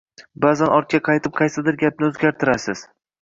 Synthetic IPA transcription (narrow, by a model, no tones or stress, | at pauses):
bazanɒɾt̪̚kʲaqʰɑjt̪ʰɪp̚qʰɑjsɪd̪ɪɾɡʲap̚nɪɵzɡʲaɾt̪ʰɪɾasɪz̥